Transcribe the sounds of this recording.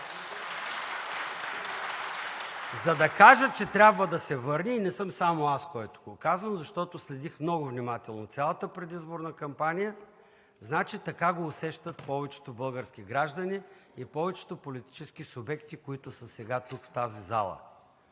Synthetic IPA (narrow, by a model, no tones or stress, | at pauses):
zɐd̪ɐkaʒət͡ʃɛt̪ɾʲabvəd̪ɐsɛvɤɾnʲiːnɛsɤmsamoaskɔjt̪o̥ɡokazvəmzɐʃt̪ɔt̪oslɛd̪ixmnɔɡʊvnʲimat̪ɛlˠnot̪sʲalˠət̪əpɾɛd̪izboɾnɐkɐmpanʲijə | znat͡ʃit̪ɐkaɡoːsɛʃt̪ət̪pɔvɛt͡ʃɛ̥t̪obɤlˠɡəɾsk̟iɡɾaʒd̪ɐniːpɔvɛt͡ʃɛ̥t̪opolit̪i̥t͡ʃɛsk̟isʊbɛkt̪ikoit̪ʊsəsɛɡat̪ukft̪aziza̰lˠə̰